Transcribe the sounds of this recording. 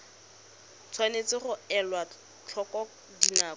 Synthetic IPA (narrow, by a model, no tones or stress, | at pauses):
t͡sʰwanet͡sɪχʊɛlwa | t͡ɬʰɔkɔ | dinaːɔ